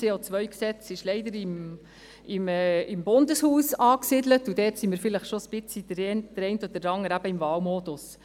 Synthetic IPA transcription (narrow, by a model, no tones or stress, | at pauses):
eːɔt͡sʋœɥksɛt͡sɪʃlɛɪdəɾɪm | ɪmɛːɪmbʊndəshuːsɑːksidlətudɛːtsimɪːɾfɪləχʃosb̥ɪt͡sid̥əɾɛnd̥əɾɛɪntɔd̥əɾɑŋəɾæb̥əɪmvɑːwmod̥ʊs